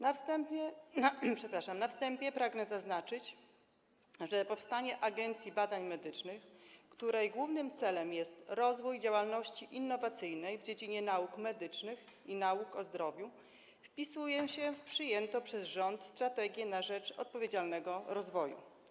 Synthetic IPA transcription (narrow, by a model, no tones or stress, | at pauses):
t̪ɛ | pʂɛpɾaʂamnafst̪ɛmpʲjɛpɾaɡnɛzaznat͡ʂɘt͡ɕ | ʐɛpɔfst̪aɲɛʔaɡɛnt̪sʲjibad̪aɲmɛd̪ɘt͡ʂnɘxkt̪uɾɛjɡwuvnɘmt̪sɛlɛmjɛst̪ɾɔzvujd͡ʑawalnɔɕt͡ɕiʔinːɔvat̪sɘjnɛjvd͡ʑed͡ʑiɲɛnaukmɛd̪ɘt͡ʂnɘx | inaukɔzd̪ɾɔvʲju | fpʲisujɛɕɛfpʂɘjɛnt̪ɔpʂɛzʐɔnt̪st̪ɾat̪ɛɡʲjɛnaʐɛt͡ʂɔ̰t̪̚pɔvʲjed͡ʑalnɛɡɔɾɔzvɔjṵ